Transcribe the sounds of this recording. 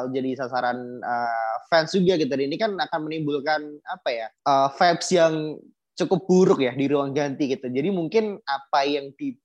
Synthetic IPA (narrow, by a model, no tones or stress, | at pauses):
ld͡ʒadisasaɾanəːfɛnsd͡ʒuɡaɡit̪̬udainikanakanmənimbʊlkanapajaʔəfɛpsjaŋ | t͡ʃukʊp̚buɾʊk̚jadiɾuwaŋd͡ʒant̪ikit̪ud͡ʒadimuŋkɪnapajaŋt̪i